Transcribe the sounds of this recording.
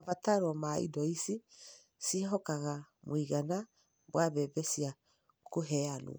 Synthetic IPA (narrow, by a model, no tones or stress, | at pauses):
vataɾwɔmaḭdɔisi | siɦɔkaɣamwiɣana | βwaβɛːbɛsia | koɦɛalṵ